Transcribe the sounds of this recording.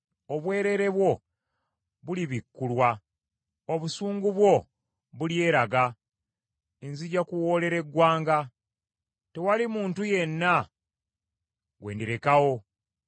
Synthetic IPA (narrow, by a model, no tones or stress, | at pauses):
oβwe̞ːɾe̞ɾe̞βwo̞ | βuliβikːulwa | oβusuːŋɡuβwo̞ | βulje̞ːɾaɡa | enziɟakuwo̞ːle̞ɾe̞ɡwaːŋɡa | te̞walimuːntuje̞nːa | ɡwe̞ːndiɾe̞kawo̞